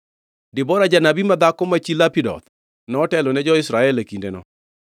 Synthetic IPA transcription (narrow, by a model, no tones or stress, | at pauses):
dɪbɔɾad͡ʒanabimad̪akɔmat͡ʃilapidɔ̰t̪ | nɔːtɛlɔnɛd͡ʒɔɪsɾaɛlekindenɔ̰